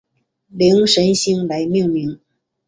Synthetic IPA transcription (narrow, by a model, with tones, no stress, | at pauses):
li˧˥ŋʂə˧˥nɕi˥ŋla˧˥ɪmi˥˧ŋmi˧˥ŋ